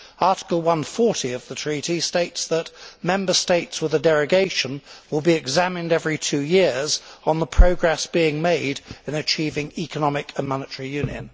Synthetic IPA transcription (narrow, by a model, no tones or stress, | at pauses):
ɑɹɾɪ̥kəlˠwʌ̃nfɔɹɾiʌvðətʰɹ̥iɾisteɪtsðət̚mɛ̃mbə˞steɪtswəðədɛɹɨɡeɪʃə̃nwəlˠbiɨɡzæmɨ̃ndɛvɹitʰʉjɪɹz̃n̩ðəpʰɹ̥əʊɡɹɛsb̥iɪ̃ŋmeɪɾɨ̃nɨt͡ʃʰiːvɪ̃ŋikənɑmɪkʰə̃nmɑnətʰəɹijʉ̃njɨ̰̃n